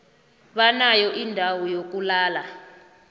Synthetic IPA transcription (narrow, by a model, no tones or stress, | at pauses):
ɓanajɔʔindʱawɔjok̬ulaːla